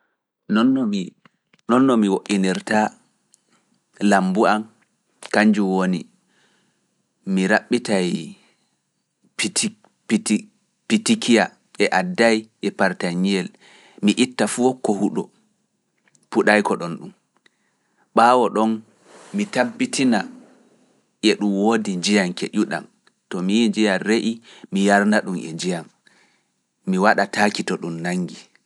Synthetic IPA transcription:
nɔnːɔmi | nɔnːɔmiwoʔːiniɾta | lambuam | kaɲd͡ʒuwoni | miɾaɓːitaj | p | pitikija | ʔɛʔadːajʔɛpaɾtaɲijɛl | miʔitːafuɔkːɔhuɗɔ | puɗajkɔɗɔnɗum | ɓaːwɔɗɔn | mitabːitʰina | ʔɛɗumwoːdid͡ʒijaŋkḛʔuɗa̰m | tɔmijd͡ʒijanɾeʔimijaɾnaɗumɛ̰nd͡ʒijam | iwaɗatʰaːkitɔɗumnaŋɡi

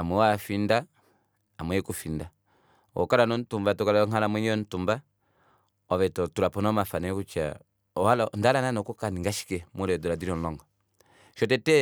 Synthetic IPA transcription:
amwɛwafinda | amwɛɛkufinda | ɔ̰kaɾanɔn̩tumbatɔkalaɔŋalamwɛɲɛɔn̩tumba | ɔβɛtɔtuɾapɔnɔmafanɛkut͡ʃa̰ | ɔhalandalananɔkukaniŋɡaʃi̥kɛmuɾɛdɔɾadiɾɔn̩lɔŋɡɔ | ʃɔtɛtɛ

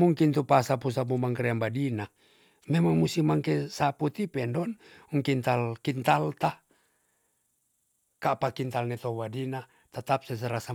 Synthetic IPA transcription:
muŋkint̪upasapusap̬umaŋkɾɛambadina | mɛmaŋmusimaŋkesaput̪ipɛndɔnuŋkint̪alkint̪alt̪a | kapakint̪alnɛt̪obadina | t̪at̪ap̚sɛs̬əɾasa

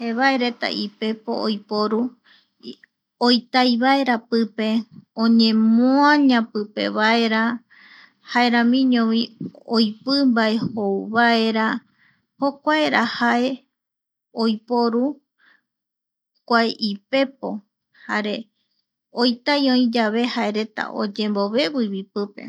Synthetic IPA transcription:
heβaeɾe̞t̪a̰ʔipe̞po̞̰ojpoɾu | ojt̪ajβaeɾapɨpe̞õɲẽmoãɲãpɨpe̞̰βae̞ɾa | haeɾãmĩɲõβĩojpɨmbae̞howβae̞ɾa | ho̞kʷaeɾahae̞ | ojpoɾu | kʷaeʔipe̞p̚o̞ | haɾe̞ | ojt̪ajõĩd͡ʒaβe̞hae̞ɾe̞t̪a̰ʔo̞̰d͡ʒẽ̞mbo̞βe̞βiβipɨpe̞̰

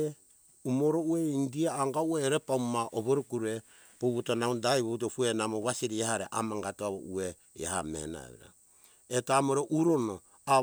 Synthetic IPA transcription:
umoɾoueindiaaŋɡaueɾepamaʔoβoɾukuɾe | poβutonaundajβout̬opuenamoβasiɾiehaɾḛʔa̰maŋɡatoaβo̰ue | ja̰hamḛna̰βḭɾa̰ | etaamoɾoʔuɾono | a

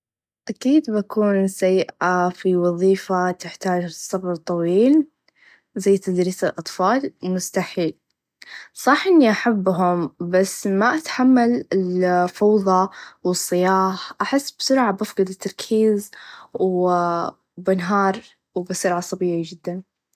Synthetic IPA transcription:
ʔakiːd̪bakuːnsajːɪʔafiwɑðˤiːfat̪ɪħt̪aːd͡ʒsˤːɑbɑt̪ˤːɑwiːl | zajːt̪ad̪ɾiːsalʔɑt̪ˤfɑːlmʊst̪aħiːl | sˤɑħʔɪnːiʔaħabːɦʊmbasːmaʔat̪ħamːalɪlfɑwðˤɑwɨsˤːɨjɑːħʔaħɪsːbsʊɾʕabafɡɑd̪ɪt̪ːɑɾˤkʰiːzw | bɪnɦɑːɾˤ | wbasʊɾʕasˤɑbiːʕid͡ʒɪd̪ːan

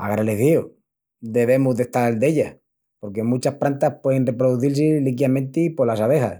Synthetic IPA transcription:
a̰ɣɾaleθio | d̪e̞β̞e̞muzðe̞ht̪aɾld̪e̞ʎa | po̞ɾke̞mut͡ʃahpɾant̪aspwe̞ðenre̞pɾoðuθils̬elikjamẽ̞nt̪epo̞lasaβ̞exa̰s

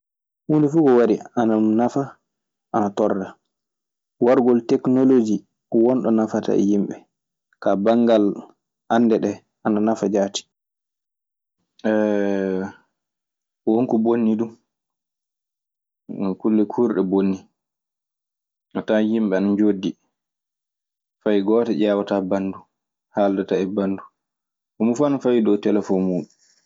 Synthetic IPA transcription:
wundifukɔwaɾiananafa | ʔanatɔrːa | waɾɡɔltɛknolod͡ʒi | wɔnɗɔnafata̰ɛ̰jimɓɛ | kabaŋɡal | anːdɛɗɛ | ananafad͡ʒaːti̥ | ɛ | woŋkubonːidum | kulːɛkʰuːɾɗɛbonːi | ʔɔtajimɓɛanad͡ʒodːi | fajɡɔːtaʄaːwatabandu | haːldataɛbandu | ʔɔmufanafajdɔwtɛlɛfɔnmuːɗu

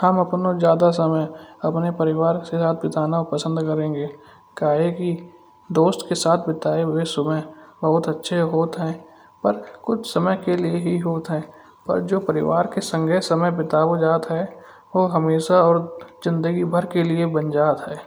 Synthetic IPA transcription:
həməpnozjaːd̪as̬əməjɐpnepəɾɪʋaːɾsesaːt̪̚ʰbɪt̪aːnaʊpəsə̃nd̪kəɾẽːŋɡeː | kaːɦeki | d̪oːst̪kesaːt̪̚ʰbɪt̪aːeesəməbəɦʊt̪ətːʃʰeɦoːt̪ɦɛ̃ː | pəɾkʊt͡ʃʰsəməjkelieɦiɦoːt̪ɦɛ̃ː | pə̰ɾd͡ʒoːpəɾɪʋaːɾkesə̃ŋɡʱɛsəməjbɪt̪aːod͡ʒaːt̪ɦɛ | ʋoɦəmeːʃaɔːɾzɪ̃nd̪əɡibʱəɾkeliebə̃nd͡ʒaːt̪ɦɛː

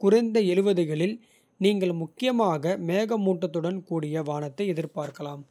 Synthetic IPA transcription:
kʊɾɐɪnd̪ɐɛlɯʋɐðɯɣɐɭɪl | niːŋɡɐɭmʊkːɪjɐmaːɣɐmeːɣɐmuːʈːɐt̪ːɯɽɐnkuːɽɪjɐʋaːnɐt̪ːɐɪɛðɪɾpaːɾkɐlaːm

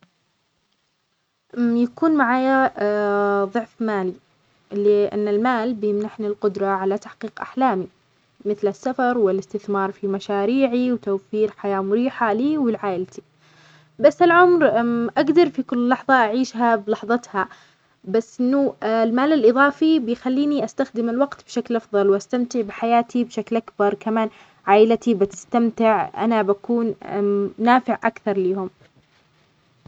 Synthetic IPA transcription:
ʔjakuːnmaʕaːja | ðˤʊʕfmaːli | lɪʔɪ̰nːɪlmaːlbjɪmnaħnilqʊd̪ɾˤɑʕalat̪aħqiːqʔa̰ħlaːmi | mɪθlɪsːafɑɾˤwɪlɪst̪ɪθmɑːɾˤfimaʃaːɾiːʕiwt̪awfiːɾħajaːmʊɾiːħaliːwɪlʕaːʔɪlt̪i̥ | basːɪlʕʊmɾʔaɡd̪ɑɾˤfikʊlːlːɑħðˤɑʔaʕiːʃɦablɑħðˤɑt̪ha | basːʔɪnːʊlmaːlalʔɨðˤɑːfibɪjxalːiːniʔast̪axd̪ɪmɪlwɑɡt̪b̥ʃaklʔɑfðˤɑlwʔast̪amt̪ɪʕbɪħajaːt̪ibʃaklʔakbɑɾˤkamaːn | ʕaːʔɪlt̪ibɪt̪ɪ̥st̪amt̪ɪʕʔa̰nabakuːn | naːfɪʕʔakθɑɾˤliːhʊm

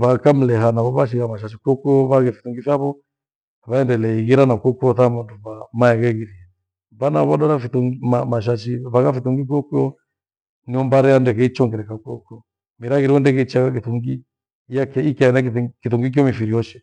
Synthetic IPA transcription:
βakam̩lɛɦanaβɔβaʃ̬iɣamaʃ̬aʃ̬ikwɔkuɔβaɣɛfiθuŋɡifjaβɔ | βaɛndɛlɛiɣiɾanakɔkuɔθamanduβamaɛɣɛɣiɾia | βanaβɔɗɔɾafiθuŋimamaʃ̬aʃiβaɣafiθuŋɡik̬ɔkiɔ | niɔmbaɾɛandɛkɛit͡ʃɔŋɡɛɾɛkakuɔkuɔ | miɾaɣiɾiɔndɛkɛit͡ʃaɣak̬iθuŋɡi | jakɛikaɛnakkiθuŋɡik̬iɔmifiɾiɔʃɛ

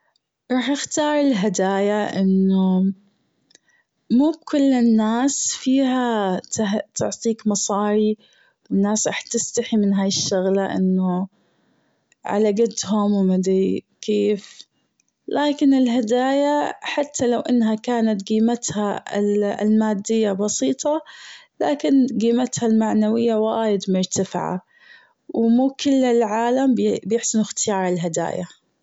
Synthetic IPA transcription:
ɾˤɑːħɪxt̪ɑːɾˤɪlɦad̪aːjaʔɪnːʊ | muːb̚kʊlːɪnːaːsfiːɦat̪at̪ʊʕt̪ˤiːkmɑsˤɑːɾi | wɪnːaːsɾˤɑ̰ːħt̪ːɪst̪aħimɪnɦaːjɪʃːʊɣlaʔɪ̰nːʊ | ʕa̰laɡɪt̪ɦʊmwmad̪i | kʰeːf | laːkɪnɪlɦad̪aːjaħat̪ːalawʔɪnːɦakaːnat̪ɡiːmat̪ha̰ɪ̰l̰lmaːd̪ːɪjːabɑsiːt̪ˤɑlaːkɪnɡiːmat̪halmaʕnawɪjːawaaːjɪd̪mʊɾˤt̪afʕa̰ | wmuːkɪlːɪlʕaːlambbjɪħsɪnɪxt̪ɪjɑːɾˤɪlɦad̪a̰ːja

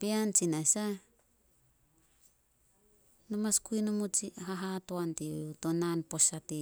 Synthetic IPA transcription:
piant͡ʃinasa | nomaskujnumut͡ʃiɦaɦatoantiutonanpo̞sati

